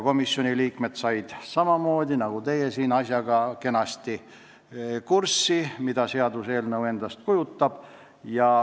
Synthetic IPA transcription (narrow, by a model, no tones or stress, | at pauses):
ko̞misːjo̞nʲiliːkme̞t̪sɑjd̪̥sɑmɑmo̞ːd̪̥ʲinɑɡ̥ut̪e̞jesiːnɑsʲjɑɡ̥ɑke̞nɑsʲt̪i | kursːimid̪ɑse̞ɑd̪use̞ːlnɤwe̞nd̪̥ɑst̪̚kujut̪ːɑb̥ | jɑ